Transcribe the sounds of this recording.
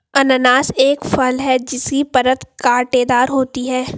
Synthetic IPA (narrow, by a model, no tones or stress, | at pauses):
ɐnənaːseːkfɐlɦɛd͡ʒɪskipɐɾət̪kaːʈeːd̪aːɾɦoːt̪iɦɛː